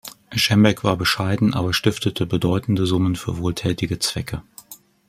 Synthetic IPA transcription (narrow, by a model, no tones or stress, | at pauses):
ʃɛmbɛkv̥aːɐbəʃaɪdn̩ʔa̰ːbɐʃtɪftətʰəbədɔʏtn̩dəzʊmənfyːɐvoːltʰɛːtɪɡət͡sv̥ɛkʰə